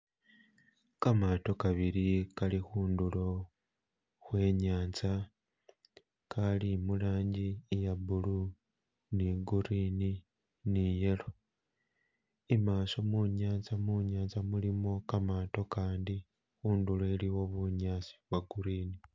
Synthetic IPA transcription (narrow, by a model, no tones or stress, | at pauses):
kamato̞kaβiɾikalixuːndulo̞ | xwe̞ːɲaːnt͡sa | kalimulaːɲɟijabulu | niɡuɾini | nije̞lo | imaːso̞muɲaːnt͡samuɲaːnzamulimo̞kamato̞kaːndi | xuːnduloeliwo̞βuɲaːt͡si̥βwaɡuɾiːni